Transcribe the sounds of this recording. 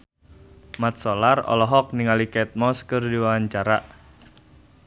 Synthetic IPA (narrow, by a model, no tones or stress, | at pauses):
mat̪̚sɔlarɔ̰lɔɦɔk̚niŋalikɛt̪̚mɔskərdiwawaɲt͡ʃaɾaʔ